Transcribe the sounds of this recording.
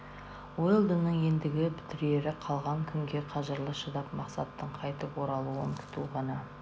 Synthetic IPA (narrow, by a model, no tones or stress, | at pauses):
wojlˠd̪ənːəɴje̞nd̪ɪɡʲɪpʰɪ̥t̪ɪɾe̞ɾɪqʰɑlˠʁɑŋkʲʰʏŋɡʲe̞qʰɑʒəɾlˠəʃəd̪ɑpmɑqsɑ̰t̪ːəɴqʰɑjt̪əpwo̞ɾɑlˠuənt̪ʲʰʊ̥t̪uʁɑnɑ